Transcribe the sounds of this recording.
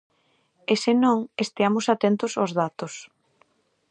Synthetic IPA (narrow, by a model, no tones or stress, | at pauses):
esɪnõŋest̪eamʊsat̪ent̪ʊsozðat̪ʊs